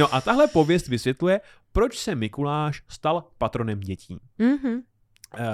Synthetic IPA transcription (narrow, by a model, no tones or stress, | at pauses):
no̞ʔat̪aɦlɛpo̞vjɛst̪vɪsvjɛt̪lujɛ | pɾo̞t͡ʃsɛmɪkulaːʃst̪alpat̪ɾo̞nɛmɟɛcḭːɦ̩